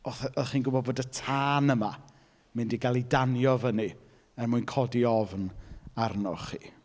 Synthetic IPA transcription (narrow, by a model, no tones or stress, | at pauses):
ɔθɔθχiːnɡʊbɔd̚boːdətʰaːnəma | mɪndiɡalˠidanjɔvəni | ɛrmuːjnkʰɔdiɔvnarnɔ̰χḭː